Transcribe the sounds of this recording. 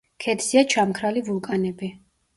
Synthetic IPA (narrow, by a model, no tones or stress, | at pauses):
kʰɛd̪ziat͡ʃʰamkʰɾalivulˠkʼanɛbi